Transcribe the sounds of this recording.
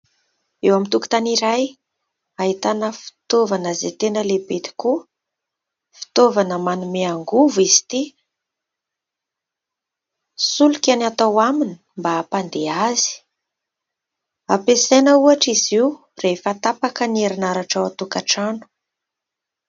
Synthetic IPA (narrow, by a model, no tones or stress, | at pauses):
ewamit̪uku̥t̪aniɾaj | aɦit̪anəfi̥t̪ovanəzet̪enəlebet̪i̥ku | fi̥t̪ovanəmanumeaŋɡuvizi̥t̪i | sulukʲanat̪awamini̥mbaːpand̪eazi̥ | apesenəuaʈ͡ʂiziw | refat̪apakəneɾinaɾaʈ͡ʂawat̪ukaʈ͡ʂanu̥